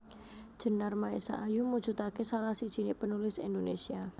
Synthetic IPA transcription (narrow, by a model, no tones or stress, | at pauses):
ʒ̥ə̤narmaesa̰ʔːjumu̥d͡ʒ̥ut̪akesalahsid̥ʒ̥i̤nɪʔpənulɪsḭndonesia